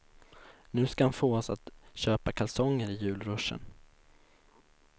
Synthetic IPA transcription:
nʉ̟ːskahanfoːɔsa̰t̪ɕøːpakʰalsɔŋːəɾɪjʉ̟ːlɾɵʂːə̰n

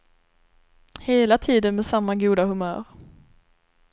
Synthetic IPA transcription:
heːlat̪ʰiːd̪ənmɛsamːaɡuːd̪ahɵmœ̰ːɾ

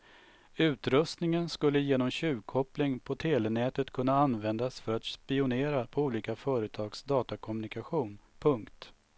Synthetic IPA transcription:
ʉ̟ːt̪ɾɵst̪nɪŋənskɵlːəjeːnɔmɕʉ̟ːkʰɔplɪŋpʰɔt̪ʰeːlɛnɛːt̪ət̪kʰɵnːaanvɛnd̪asfœɾat̪spɪʊneːɾapʰɔuːliːkafœːɾət̪ʰɑːɡsd̪ɑːt̪akʰɔmɵnɪkaɧuːnpʰɵŋkt̪

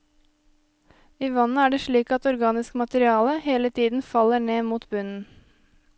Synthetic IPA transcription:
iːʋɑnəæːɖeːʃɭiːkɑt̪ɔɾɡɑːnɪskmɑt̪əɾɪɑːləheːlət̪ʰiːd̪n̩fɑləɳeːmuːt̪bʉnn̩

